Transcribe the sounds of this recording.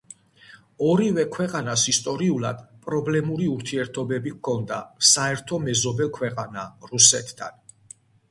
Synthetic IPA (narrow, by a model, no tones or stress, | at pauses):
ɔɾivɛkʰwɛqʼanasist̪ʼɔɾiulˠa̰d̪̥pʼɾɔblɛmuɾiuɾt̪ʰiɛɾt̪ʰɔbɛbikʰɔnd̪a̰saɛɾt̪ʰɔmɛzɔbɛlˠkʰwɛqʼanaɾusɛt̪ʰːa̰n